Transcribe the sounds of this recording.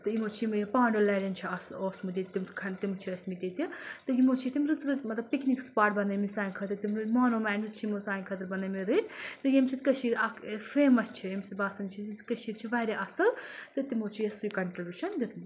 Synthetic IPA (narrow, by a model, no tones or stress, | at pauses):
t̪ɨjimoːt͡ʃʰiimpaːɳɖoːlɐːɖɐnt͡ʃʰiɐsoːsmud̪it̪t̪imkʰɐnt̪imt͡ʃʰiɐsmid̪it̪it̪ɨjimot͡ʃʰit̪imɾɨt̪ɾɨmɐt̪lɐb̚piknikspaːʈ̚bɐnɐjmizaːinkʰɐt̪ɐɾt̪immaːnoːmɛːnɨt͡ʃʰiimozaːjnʲkʰɐt̪ɐɾbɐnɐmiɾɨt̪t̪ɨjemsʰit̪kɐʃiːɾɐkfeːmɐst͡ʃʰijɐmsit̪baːsɐnt͡ʃʰiikɐʃiːɾt͡ʃʰiʋɐːɾʲeʔɐsɐlt̪ɨt̪imoːt͡ʃʰijɐsujikɐɳʈɾibʲjuʃɐnd̪it̪m